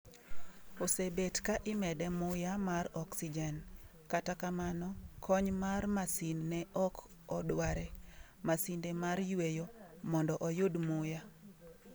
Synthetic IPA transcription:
osebetkaʔɪmɛdɛmʊjamarɔksid͡ʒɛn | katakamanɔkʰɔɲmarmasinːɛʔɔkɔdwaɾɛ | masindemarjwejomɔndɔʔɔjʊdmʊja

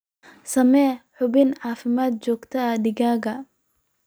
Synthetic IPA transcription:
sɐmɛːħʊβɪnʕɑːfɪmaːd̪̚t͡ʃɔːɡt̪ʰɐɐdɪɣaːɣɐ

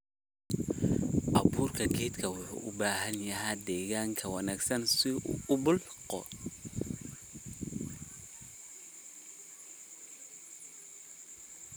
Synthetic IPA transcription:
ʔɑβuːrkʰɐɡɛːt̪kʰɐwʊħṵːʔʊbaːɦɐnjɐɦaːd̪ɛːɣaːŋkʰɐwɑnaːɡsɐnsɪʊbʊlqɔ̰

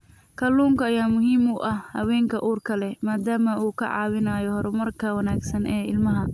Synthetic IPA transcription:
kʰɐluːŋkɐːjaːmʊɦiːmuːʔɐhhɐ̰wɛːŋkʰɐʔuːrkʰɐlɛmaːd̪aːmɐuːkʰɐ̰ʕɑ̰ːwɪnaːjɔhɔɾɛmɐrkʰɐwɐnaːɡsɐnʔɛːɪlmɐɦɐ

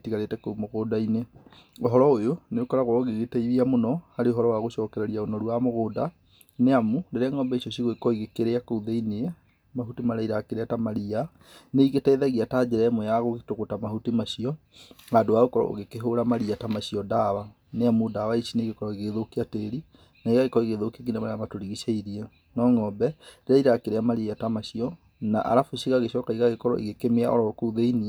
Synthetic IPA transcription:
tiɣaɾetɛkomoɣoːdaineoɦɔɾɔojoneokɔɾaɣwaoɣeɣetɛiðiamonɔhaɾeoɦɔɾɔwaɣoʃɔːkɛɾaɾiaonɔɾuamoɣoːda | neamundeɾaŋɔːmbɛiɕiɔɕiɣoekɔiɣekeɾeakouðeineɛ | mahutimaɾaiɾakeɾeatamaɾia | neiɣetɛːðaɣiataːd͡ʑɛɾɛmɔjaɣoɣetoɣotamaɦutimaɕiɔ | adoaɣokɔɾɔ̰ʔo̰ɣekeɦoɾamaɾiatamaɕiɔdawa | neamudawaiɕineɣekɔɾɔiɣeðokiateɾi | naiɣaɣekɔɾɔiɣeðokiak̬inamaɾeamatoɾiɣiʃaiɾiɛ | nɔːŋɔbɛɾeɾaiɾakeɾeamaɾiatamaɕiɔ | na̰ʔa̰ɾafoɕiɣaɣeɕɔːkaiɣaɣekɔɾɔ̰ʔḭɣekemea̰ʔɔɾɔkouðeiniɛ

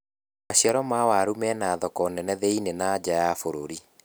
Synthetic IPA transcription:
maɕiaɾɔmawaɾumɛnaːðɔkɔnɛnɛðɛinenad͡ʑajafoɾoɾi

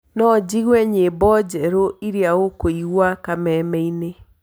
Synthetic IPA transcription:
nɔd͡ʑiɣwɛɲebɔd͡ʑɛɾoiɾiaokoiɣwakamɛmɛine

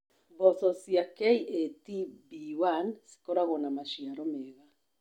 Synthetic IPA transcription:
bɔθɔsiakɛiʔetibiwansi̥kɔɾaɣɔnamaʃiaɾɔmɛɣa

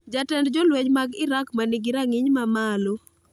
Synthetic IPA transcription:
d͡ʒatɛndd͡ʒolweɲmaɡɪɾakmanɪɡɪɾaŋɪɲmamalo

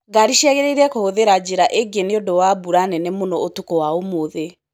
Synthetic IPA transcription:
ɡaɾiʃiɛɣɛɾeiɾɛkohoðeɾad͡ʑeɾaʔeɡeneodowabuɾanɛnemonɔotukɔwaomoðe

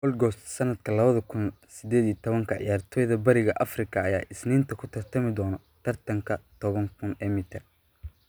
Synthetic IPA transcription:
qɔlɡɔst̪sɐnɐd̪kʰɐlɐβɐðɐkʰʊn | sɪd̪ɛːd̪iːt̪ʰɔβɐŋkʰɐʕɪ̰jaːrt̪ʰɔjðɐbɐɾɪɣɐʔɐfrɪkʰɐːja̰ːʔɪsniːnt̪ʰɐkʰʊt̪ʰɐrt̪ʰɐmɪd̪ɔːnɔ | t̪ʰɐrt̪ʰɐŋkʰɐt̪ʰɔβɐŋkʰʊnɛːmɪt̪ʰɐr

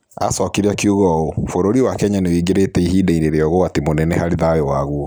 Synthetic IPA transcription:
a̰sɔkeɾeakiuɣɔofoɾoɾiwakɛɲanewiɡeɾetɛiɦidɛiɾeɾeɔɣoatemonɛnɛhaɾeðajɔwaɣuɔ

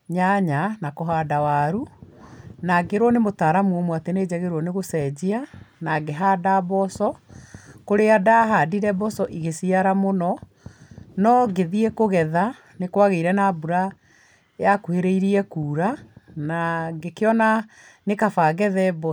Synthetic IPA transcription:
ɲaɲanakoɦadawaɾu | naɡeɾwɔnemotaːɾamuɔmwateneːd͡ʑɛɣeɾɔneɣosɛd͡ʑianaɡeɦadabɔsɔ | koɾeadaɦadiɾɛbɔsɔʔiɣesiaɾamonɔ | nɔɡeðiɛkoɣɛða | nekwaɣeiɾɛnabuɾa | jakuheɾeiɾiɛkuːɾanaɡekeɔna | nekafaːɣɛðɛbɔ

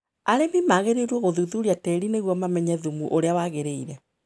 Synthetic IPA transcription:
aɾemimaɣeɾeɾwoɣoðuðuɾiatɛɾineɣwɔmamɛɲɛðumuʔoɾeawaːɣeɾeiɾɛ

